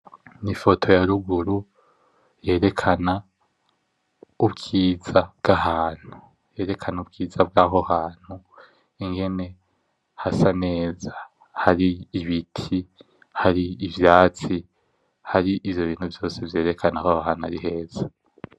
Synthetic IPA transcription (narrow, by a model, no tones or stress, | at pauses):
nifo̞tʰo̞jaɾuɡuɾu | je̞ːɾe̞kʰana | ubɡiːzabɡ̥ahaːn̥hu | je̞ːɾe̞kʰanub̚ɡiːzab̚ɡaːɦo̞haːn̥hu | iŋɡe̞ne̞ | hasane̞ːza | haɾiːβitʰi | haɾiːvjaːt͡si | haɾiʔivjo̞βiːn̥huvjo̞ːse̞vje̞ːɾe̞kʰanakahaɦaːnuaɾiɦe̞ːz̥a